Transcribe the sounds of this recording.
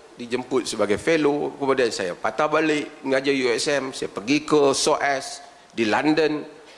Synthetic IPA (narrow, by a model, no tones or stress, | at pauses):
did͡ʒəmpʊt̪̚səbaɡajfelokəmadiansaja̰pat̪abalɪʔŋad͡ʒajuɛsɛmsajapərɡikəsoʔɛs | dilandən